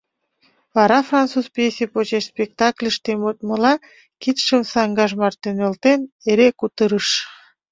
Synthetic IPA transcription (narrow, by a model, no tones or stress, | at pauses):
vɑɾɑfrɑntt͡suzpjesʲipot͡ɕeʃspʲek̚t̪ɑklʲəʃt̪emot̪̚məlɑ | kit̪ʃəmsɑŋɡɑʒmɑrt̪enølt̪eneɾekut̪əɾəʃ